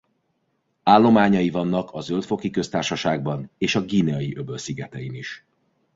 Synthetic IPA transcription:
aːlːo̞maːɲɒjivɒnːɒkʰɒzø̞lt̪fo̞kikø̞st̪aːrʃɒʃaːɡ̚bɒneːʃɒɡiːneɒjiʔø̞bølsiɡɛt̪ɛjiniʃ

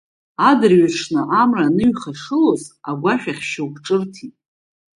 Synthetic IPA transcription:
adɨrɥaʈ͡ʂʰnɨʔamranɨɥχaʂɨlo̞zaɡʷaʃᶣaχʲʃawkʷʈ͡ʂʼɨrtʰitʼ

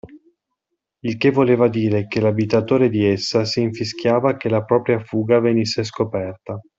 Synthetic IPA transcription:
ilk̟evːoleːvad̪iːɾekelabit̪at̪oːɾed̪iesːasiːɱfisk̟jaːvakelapɾɔːpɾjafuːɡavenisːes̬kopɛrt̪a

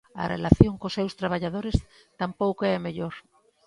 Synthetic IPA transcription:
ɐ̰rḛlaθjoŋkosɛwst̪ɾaβ̞aʎað̞oɾɪs | t̪ampowkoɛmeʎoɾ

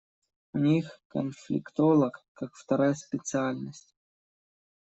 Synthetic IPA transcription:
unʲixkə̰nflʲɪ̰kt̪olˠəkkːakft̪ɐɾajəspʲɪt̪sɨalʲnəsʲtʲ

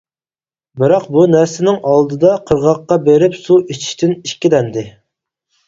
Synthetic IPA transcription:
bɪɾɑqbunæɾsɪnɪŋʔɑlˠd̪ɨd̪ɑqʰəɾʁɑqːɑbeɾɪpsuʔit͡ʃʰi̥ʃt̪ʰɪniʃkʲid̪ɛnd̪ɪ

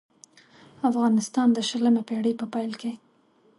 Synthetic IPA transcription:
afɣɑnɪst̪ɑnd̪əʃələmepeɽəpəpɑjlke

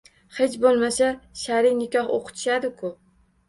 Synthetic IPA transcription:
he̞t͡ʃbolˠmasaʃaɾɪnɪkʲʰɒho̰qʰʊ̥t̪ʰɪ̥ʃad̪ɪkʰʊ

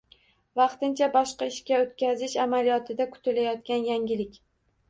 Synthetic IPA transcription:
vɑqt̪ɪnt͡ʃʰabɒʃqɑɪʃkʲaot̪kʲazɪʃamalijɒt̪ʰɪd̪akʰʊ̥t̪ʰɪlajɒt̪̚kʲanjaŋʲɪlɪkʲ

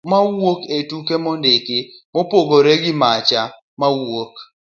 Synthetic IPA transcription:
mawoketukemɔndɪkɪmopoɡoɾeɡɪmat͡ʃa | mawok

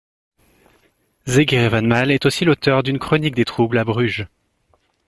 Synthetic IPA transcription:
zeɡeʁevanmalɛt̪osilot̪œʁd̪ynkχɔnik̚d̪et̪χublabʁyʒ

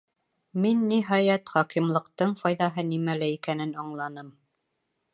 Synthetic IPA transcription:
minːiɦɑjæt̪χɒqimlˠɤ̆qt̪ɤɴfɒjðɑɦɤnimælæikænɘnɑɴlˠɑnɤm

